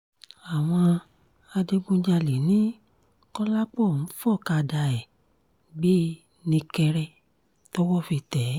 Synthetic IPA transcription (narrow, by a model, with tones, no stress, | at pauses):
a˨w̃ɔ̃˧ | a˧de˧ɡ͡bũ˧d͡ʒa˧le˨nĩ˦ | kɔ˦la˦k͡pɔ˦˨n̩˦fɔ˦˨ka˧da˧ɛ˨ | ɡ͡bi˦ | nĩ˧kɛ˧ɾɛ˧˦ | to˦wɔ˦fi˧tɛ˨˦